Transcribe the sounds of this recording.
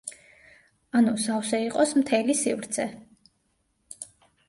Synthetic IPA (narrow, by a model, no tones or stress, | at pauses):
anusawsɛiqʼɔsmt̪ʰɛlisivɾt̪sʰɛ